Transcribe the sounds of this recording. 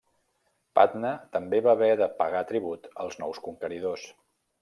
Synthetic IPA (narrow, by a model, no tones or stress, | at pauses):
pa̰t̪nət̪əmbeβaβɛðəpəɣat̪ɾiβ̞ut̪ə̰lˠznɔ̰wskuŋkəɾið̞os